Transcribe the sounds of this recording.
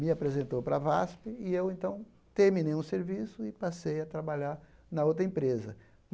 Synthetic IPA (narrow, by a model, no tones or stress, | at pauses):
mɪapɾezẽnt̪owpɾɐvaspɪɪewẽnt̪ɐ̃w̃ | t̪eɾmĩnejũseɾvisʊɪpasejɐt̪ɾabaʎaɾnɐowt̪ɾɐẽpɾezɐ̰